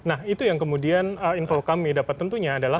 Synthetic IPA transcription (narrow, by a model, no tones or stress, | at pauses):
nahit̪ujaŋkəmudianəinfokamidapat̪ːənt̪uɲaːdala